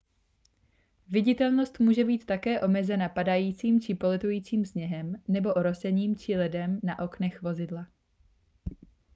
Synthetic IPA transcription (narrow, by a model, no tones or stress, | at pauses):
vɪɟɪt̪ɛlno̞st̪muːʒɛbiːt̪ːakɛːʔo̞mɛzɛnapadajiːt͡siːmt͡ʃɪpo̞lɛt̪ujiːt͡siːmsɲɛɦɛmnɛbo̞ʔoɾo̞sɛɲiːmt͡ʃɪlɛdɛmnaʔo̞knɛxvo̞zɪdla